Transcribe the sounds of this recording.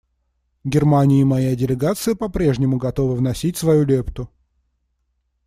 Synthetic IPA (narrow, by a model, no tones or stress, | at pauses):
ɡʲɪrmanʲɪɪmɐjadʲɪlʲɪɡat̪sɨjəpɐpɾʲe̞ʐnʲɪmʊɡɐt̪o̞vəvnɐsʲitʲsvɐjulʲe̞pt̪ʊ